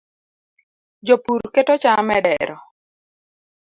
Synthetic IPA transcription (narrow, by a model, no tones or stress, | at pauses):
d͡ʒopuɾketot͡ʃamɛɖɛɾɔ